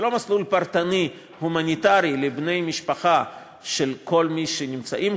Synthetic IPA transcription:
lo̞maslulpaɾt̪ani | humanʲit̪aɾilebnejmiʃpaχa | ʃelko̞lmiʃenimt͡sa̰ʔim

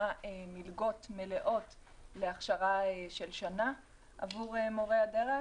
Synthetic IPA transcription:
aemilɡo̞tme̞le̞ʔo̞t | le̞aχʃaʁaeʃe̞lʃana | ʔa̰vuʁemo̞ʁeade̞ʁe

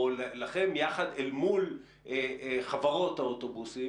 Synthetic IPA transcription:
llaχemjaχad̪elmul | eχavaʁo̞t̪haotobusi

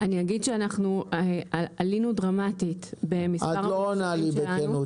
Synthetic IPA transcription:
aniaɡidʃeanaχnueaalinudʁamatitbemisaaʁloanalibeaenu

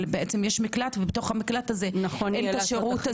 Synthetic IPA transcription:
lbeʔet͡se̞mjeʃmiklatvebet̪o̞χhamiklat̪azenɐχoenkaʃeʁuta

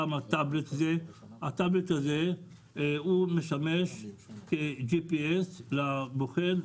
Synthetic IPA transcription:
amat̪ablet̪azeat̪ablet̪aze | humeʃameʃked͡ʒipieslaboχel

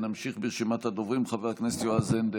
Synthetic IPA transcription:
namʃiχbeʁʃimat̪had̪ovʁimχavehaknesjoazend̪e

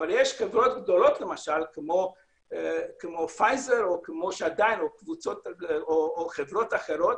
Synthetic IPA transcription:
valjeʃχevʁo̞t̪ɡd̪o̞lo̞t̪le̞maʃalkmo̞ | kemo̞fajzeɾokemo̞ʃead̪ajinokvut͡so̞t̪oːχevʁo̞t̪aχe̞ʁo̞t̪

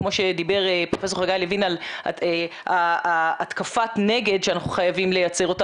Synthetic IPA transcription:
mo̞ʃed̪ibe̞ʁepʁofe̞s̬o̞ʁʁaɡajlevinal | aːtkafatne̞ɡe̞d̪ʃeanaχuχajavimlejat͡se̞ʁo̞ta

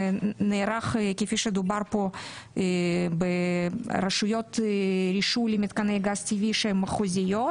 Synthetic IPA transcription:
neːɾaχkʲifiʃed̪ubarpo | beɾɐʃujot̪ɾʲiʃulʲimit̪kanɛjɡastʲivʲiʃemɐχuzʲɪjot̪

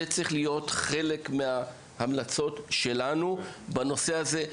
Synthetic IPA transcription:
et͡sʁiχlijo̞tχe̞le̞kmea | hamlat͡so̞tʃe̞lanubano̞se̞aze̞

